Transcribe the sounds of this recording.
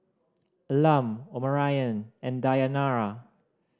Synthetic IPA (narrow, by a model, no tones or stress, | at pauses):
lamoməɹajə̃nɛ̃ndajanaɹa